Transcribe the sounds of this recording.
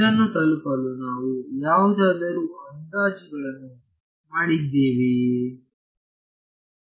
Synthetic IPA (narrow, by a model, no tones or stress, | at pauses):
ɐnːut̪ɐlkalunaːʋujaːʋd̪ʱad̪ɐɾuɐnd̪aːd͡ʒiɡɐɭɐnːu | maːɽid̪eːʋi